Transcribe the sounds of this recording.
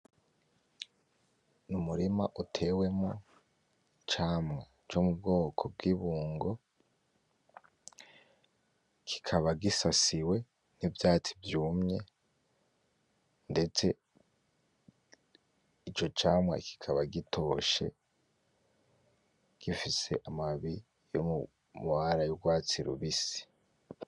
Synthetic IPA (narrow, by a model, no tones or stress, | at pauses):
numuɾimaʔutʰe̞we̞mo | t͡ʃaːmŋa | t͡ʃomubɡo̞ːkʰob̚ɡiβuːŋɡo̞ | kʰi̥kʰaβaɡisasiwe̞ | n̥ivjaːt͡si̥vjuːmɲe̞ | nde̞t͡se̞ | it͡ʃo̞t͡ʃaːmwa̰kʰi̥kʰaβaɡitʰo̞ʃe̞̰ | ɡ̥ifise̞̰ʔamaβi | jo̰mu | muhaɾajuɡwaːt͡siɾṵβisi̥